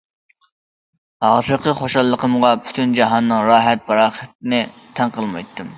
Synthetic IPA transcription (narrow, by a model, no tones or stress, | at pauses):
hɑːsəɾqʰəχoʃɑlˠːəqəmʁɑpʰy̥t̪ʰynd͡ʒɑɦɑnːɨŋɾɑːɦɛt̪̚bɑɾɑːχɛt̪ɪnɪt̪ʰɛnqəlˠmɑ̰jt̪ʰːɨm